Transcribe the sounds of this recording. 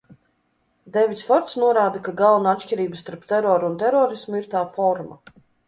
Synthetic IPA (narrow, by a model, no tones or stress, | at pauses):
d̪ɛvit̪sfɔɾt̪snuɔɾaːd̪akaɡalˠunaat̪ʃʲciɾiːbəst̪aɾp̚t̪ɛɾɔːɾuunt̪ɛɾɔːɾismuiɾt̪aːfɔɾma̰